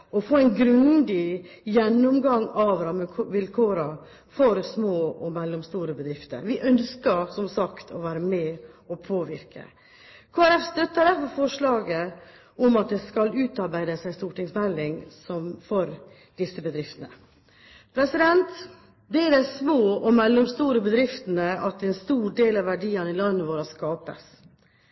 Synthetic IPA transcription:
ɔfoːæɪnɡɾʉnd̪ɪjɛnːɔmɡɑŋːɑʋɾɑmʰʋɪlkʰoːɾə | fɔɾsmoːɔmɛlːɔmst̪uːɾəbəd̪ɾɪft̪ə̰ɾʋɪʔœnskəɾsɔmsɑkt̪ʰɔʋæːɾəmɛɔpʰoːʋɪɾkʰə̰ | kʰoːæɾɛfst̪œt̪ːəɖ̪æɾfɔɾfɔʂlɑːɡə | ɔmɑt̪̚d̪ɛskɑlʉːt̪ɑɾbæɪd̪əsæɪst̪uːʈɪŋsmɛlːɪŋsɔmfɔɾ | d̪̥ɪsːəbəd̪ɾɪft̪ənə̰ | pʰɾɛsɪd̪ɛnt̪ | d̪ɛæɖæɪsmoːɔmɛlːʊmst̪uːɾəbəd̪ɾɪft̪ənəɑt̪ɛnst̪uːɖeːlɑʋʋæɖiːənɪlɑnːəʋoːɾəskɑːpəs

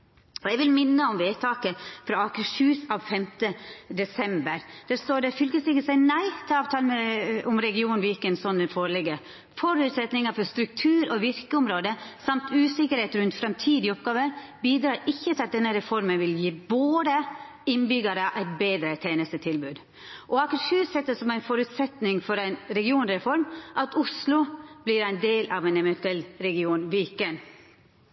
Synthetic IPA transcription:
ɔɛɡʋɪlmɪnːəɔmʋeːt̪ʰɑːkəfɾɑɑkʉʃʉːsɑːʋfɛmt̪əd̪ɛsɛmbəɾd̪̥æst̪oːɾɖɛfʏlkəsɪkːəsæɪnæɪt̪ʰɪlɑːʋt̪ʰɑːləməɔmɾɛɡɪuːnn̩ʋɪɪkːəɛnsɔnːɛnfɔːɾlɛɡːə | fɔɾʉt̪sɛt̪nɪŋəfɔɾst̪ɾʉk̚t̪ʰʉːɾɔʋɪɾkəʊmɾoːd̪əsɑmt̪ʰʉːsɪkəɾheːt̪ɾʉnt̪fɾɑmt̪ʰiːd̪ɪɔp̚ɡɑːʋəɾbiːd̪ɾɑːɾɪçːət̪ʰɪlɑt̪̚d̪ɛnːəɾɛfɔɾmənʋɪljiːboːd̪ə | ɪnbʏɡəɾəʔæɪt̪̚beːd̪ɾət̪ʰeːnəst̪ət̪ʰɪlbʉːd̪ | ʔɔɑkɾsʉːt̪sɛt̪ːəsɔmæɪnfɔɾʉt̪sɛt̪nɪŋfɔɾæɪnɾɛɡɪuːnɾɛfɔɾmʔɑt̪ʊslʊb̥lɪɾæɪnd̪eːlʔɑʋɛnɛʋɛnt̪ʉɛlɾɛɡɪuːnʋɪkən

